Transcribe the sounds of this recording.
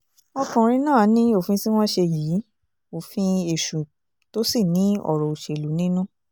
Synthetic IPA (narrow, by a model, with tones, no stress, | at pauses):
ɔ˧kã˨ɾ̃ĩ˧nãː˦˨˦nĩ˦o˦˨fĩ˧si˦w̃ɔ̃˦ʃe˧jiː˨˦ | o˨fĩ˧e˨ʃũ˨ | to˦si˦˨nĩ˨˦ɔ̰˦˨ɾɔ˨u˨ʃe˨lu˨˦nĩ˦nũ˦